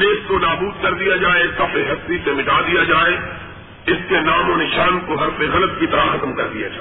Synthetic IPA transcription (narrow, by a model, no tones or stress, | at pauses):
leːskonaːbuːd̪kɐɾd̪ijad͡ʒaːesɐfʰeɦɐst̪isemɪʈaːd̪ijad͡ʒaːe | ɪskenaːmonɪʃaːnkoɦɐɾfeɣɐlət̪̚kit̪ɐɾaxɐt̪mkɐɾd̪ija̰d͡ʒaː